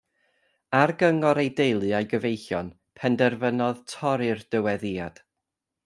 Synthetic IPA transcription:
arɡəŋɔɾejdejlˠɨajɡəvejɬjɔn | pʰɛndɛrvənɔðtʰɔɾɨrd̥əwɛðia̰d̥

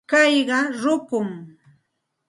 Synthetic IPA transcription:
kɑjɢɑɾʊkʊŋ

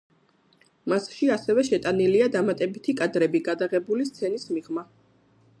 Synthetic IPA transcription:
masʃiasɛvɛʃɛt̪ʼaniliad̪amat̪ʼɛbit̪ʰikʼad̪ɾɛbiɡad̪aʁɛbulist̪sʰɛnismiʁma

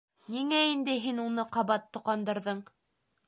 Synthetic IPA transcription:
niŋæind̪ɘɦinunɤqɑβɑt̪ːŏqɑnd̪ɤ̆ɾðɤɴ

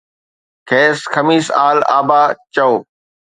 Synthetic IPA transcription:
kʰeːsxʰɐmiːsaːla̰ːbaːt͡ɕɐoː

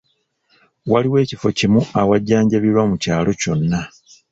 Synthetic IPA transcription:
waliwe̞ːcifo̞cimuawaɟːaːɲɟaβiɾwamucaːlo̞co̞nːa

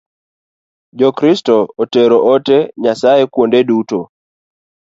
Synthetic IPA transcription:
d͡ʒɔkɾistɔɔtɛɾɔʔɔtɛɲasaɛkwondɛduto

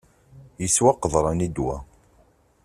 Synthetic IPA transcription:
jəswaqːəðˤɾˤɑnid̪wæ̰

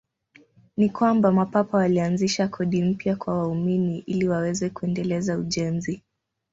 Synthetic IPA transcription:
nikwambamapapawalianziʃakʰɔɗim̩pjakwawauminiʔiliwawɛzɛkuɛndɛlɛzauʄɛnzi

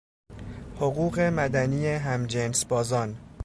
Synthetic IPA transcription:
hoɣuːɣe̞mæd̪æniːjeɦæmd͡ʒensbɒːzɒːn

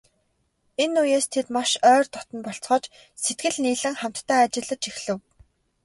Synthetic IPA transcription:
enːujeːst̪ʰet̪maʃœːrt̪ɔt̪ɞ̆npɔɬt͡sχɔːt͡ɕ | set̪ɡɘ̆ɮniːɮɘ̆ŋχam̥t̪ːʰæːat͡ɕɪ̆ɮə̆t͡ɕixɮɘ̆w

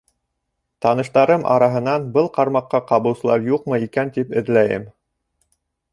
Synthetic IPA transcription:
t̪ɑnɤ̆ʃt̪ɑɾɤmʔɑ̰ɾɑɦɤ̆nɑnbɤlˠqɑɾmɑqːɑqɑβɤ̆w̪sɤ̆lˠɑɾjuqmɤikænt̪ipɘ̆ðlæjɘ̰m

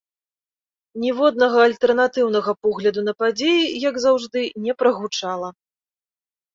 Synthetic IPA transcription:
nʲɛvɔd̪nɐɣɐːlʲt̪ɛrnat̪ɨwn̪ɐɣɐpɔɣlʲɐd̪unɐpad͡zʲejijaɡzawʐd̪ɨnʲɛpɾɐɣut͡ʂalˠɐ

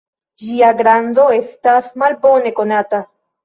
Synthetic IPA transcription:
d͡ʒiaɡɾando̞e̞stasmalbo̞ne̞ko̞nata

